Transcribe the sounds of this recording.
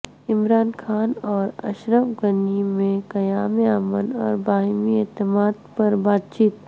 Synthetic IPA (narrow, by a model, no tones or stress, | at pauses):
ɪmɾaːnkʰaːnɔːɾɐ̰ʃɾəʋɡənimẽkɐjaːmeaːmənɔ̰ːɾbaːɦmiɛːt̪ɪmaːd̪pɐɾbaːt̪̚t͡ʃiːt̪